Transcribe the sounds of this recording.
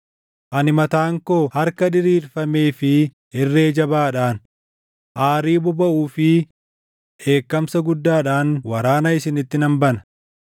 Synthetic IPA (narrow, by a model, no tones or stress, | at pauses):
ʔɐnɪmɐt̪aːŋkoːhɐɾkɐᶑɪɾiːɾfɐme̞ːfɪ | ɪrːe̞ːd͡ʒɐbaːᶑaːn | ʔaːɾiːbʊbɐʔuːfɪ | e̞ːkːɐmsɐɡʊd̪ːaːᶑaːnwɐɾaːnɐɪsɪnɪt̪ːɪnɐmbɐnɐ̥